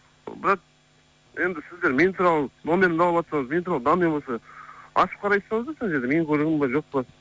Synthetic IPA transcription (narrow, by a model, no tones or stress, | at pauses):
bɪɾɑq̚ | je̞nd̪ɪsɪzd̪e̞ɾme̞nt̪ʰuɾɑlˠəno̞me̞ɾmnɑlˠəpɑt̪sɑɴəzme̞nt̪uɾɑlˠəd̪ɑnmenbosɑɑ̰ʃə̥p̚qʰɑɾɑjt̪sɑɴəzd̪ɑseŋʒeɾd̪eme̞ŋkʲʰɵɾɡʲɪmbɑʒo̞q̚pə